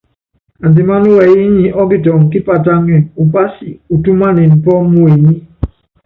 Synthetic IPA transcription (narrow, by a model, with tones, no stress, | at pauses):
a˨di˨ma˦nu˦wɛ˨i˦ɲi˨ʔɔ˦ɡi˦˨tɔ˨ŋ˨ki˦pa˨ta˦ŋɛ˨u˨pa˦sḭ˨u˨tu˦ma˦ni˨n̩˨pɔ˦mu˦e˨ɲi˦